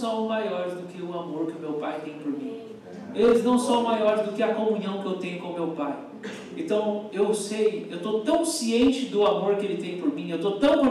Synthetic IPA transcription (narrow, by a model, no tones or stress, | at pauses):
sɐ̃w̃majɔɾɪzd̪ʊkɪʊamoɾkɪʊmewpajt̪ẽj̃poɾmḭ̃ | elɪznɐ̃w̃sɐ̃w̃majɔɾɪzd̪ʊkɪɐkõmũɲɐ̃w̃kɪewt̪ẽj̃ʊkõʊmewpaj | ẽt̪ɐ̃w̃ewsejewt̪ot̪ɐ̃w̃siẽnt͡ʃɪd̪ʊamoɾkɪelɪt̪ẽj̃poɾmĩewt̪ot̪ɐ̃w̃poɾ